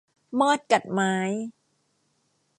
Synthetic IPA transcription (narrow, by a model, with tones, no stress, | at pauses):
mɔː˥˩t̪̚ka˨˩t̪̚maː˦˥j